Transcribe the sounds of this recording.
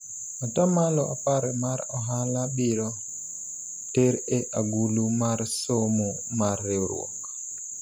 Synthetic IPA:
ɔtamalɔʔa̰paɾɛmaɾɔɦalaɓiɾɔ | teɾɛʔaɡulumaɾsomu | maɾːɛɾṵɔ̰k

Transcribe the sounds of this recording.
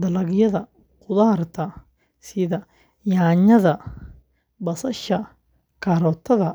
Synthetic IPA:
d̪ɐlɐɣjɐðɐ | qʊðaːrt̪ʰɐ | sɪðɐ | jaːɲɐðɐ | bɐsɐʃɐ | kʰaɾɔːt̪ʰɐðɐ

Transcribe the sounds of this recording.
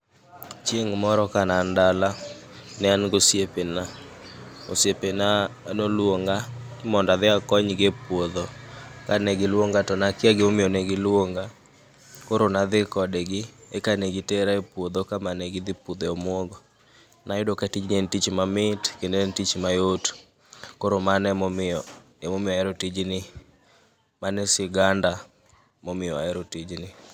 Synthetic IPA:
t͡ʃjeŋmɔɾɔkanandala | nɛanɡosjepena | osjepenanolwoŋɡaɪmɔndaðɪakɔɲɡepwod̪okanɛɡɪlwoŋɡatɔnakɪaɡɪomɪjoneɡɪlwoŋɡa | koɾonaðɪkɔdɛɡɪekaneɡɪteɾaepwod̪okamaneɡɪd̪ɪpud̪eomwoɡɔ | najodokatid͡ʒnentit͡ʃmamɪtkendentit͡ʃmajot | koɾomanɛmomɪɔ | emomɪɔɛɾotid͡ʒnɪ | manesɪɡanda | momɪjɔa̰ɛɾotid͡ʒnɪ

